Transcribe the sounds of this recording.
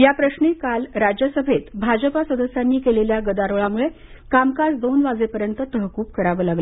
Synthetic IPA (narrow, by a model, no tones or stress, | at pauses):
japɾəɕnekalɾad͡ʑjəsəbʱet̪bʱad͡ʑəpasəd̪əsjanːiːkeleljaɡəd̪aɾəɭamuɭe | kamkad͡zd̪onʋad͡zepəɾjənt̪ət̪əɦkuːp̚kəɾaʋəːlaɡlə